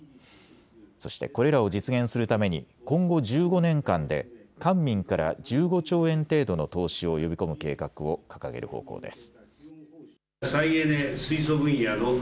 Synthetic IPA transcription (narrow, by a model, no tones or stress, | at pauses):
so̞̰ɕi̥t̪e̞̰ko̞ɾe̞ɾao̞d͡ʑit͡sɨɡẽ̞ɰ̃sɨɾɯ̟t̪ame̞ɲ̟ḭkõ̞ŋɡo̞ʑɨːɡo̞nẽ̞ŋkãnd̪e̞̰kãmːʲĩŋkaɾa̰d͡ʑɨːɡo̞t͡ɕo̞ːẽ̞nt̪e̞ːd̪o̞no̞t̪o̞ːɕio̞jo̞bʲiko̞mɯ̟ke̞ːkakɯ̟o̞kḁka̰ɡeɾɯ̟̰ho̞̰ːko̞̰ːd̪e̞sɨ̥ | saied̪esɨis̬obɯ̟̃ɰ̃jano